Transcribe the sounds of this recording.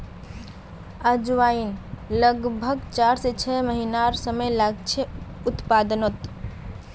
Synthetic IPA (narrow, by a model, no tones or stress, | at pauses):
ad͡ʒʋainləɡbʱəɡt͡ʃaɾset͡ʃʰɛməɦinaɾsəməjlaɡt͡ʃʰeut̪pad̪ənot̪